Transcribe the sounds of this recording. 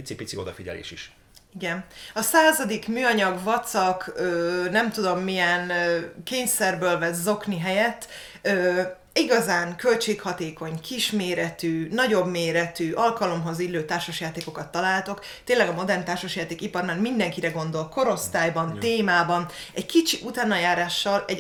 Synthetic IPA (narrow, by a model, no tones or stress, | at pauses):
isipit̪sio̞̰d̪ɒ̰fiɟɛ̰lḛːʃiʃ | iɡɛnɒsaːzɒd̪ikmyːɒɲɒɡvɒt̪sɒkøːnɛmt̪ud̪o̞mːijɛnkeːɲsɛrbøːlvɛzo̞kniɦɛjɛt̪ː | øː | iɡɒzaːŋkø̞lt͡ʃeːkhɒt̪eːko̞ɲkiʃmeːɾɛt̪yːnɒɟo̞bmeːɾɛt̪yːʔɒlkɒlo̞mɦo̞zilːøːt̪aːrʃoʃjaːt̪eːko̞kɒt̪ːɒlaːlt̪o̞k | t̪eːnlɛɡɒmo̞d̪ɛrnt̪aːrʃoʃjaːt̪eːkipɒɾmaːrmind̪ɛŋkiɾɛɡo̞nd̪o̞lko̞ɾo̞st̪aːjbɒnt̪eːmaːbɒnɛɟkit͡ʃiʔut̪aːnɒjaːɾaːʃːɒlɛ